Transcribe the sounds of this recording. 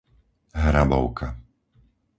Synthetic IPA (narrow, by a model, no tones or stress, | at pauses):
ɦɾabɔ̰ʊkʰa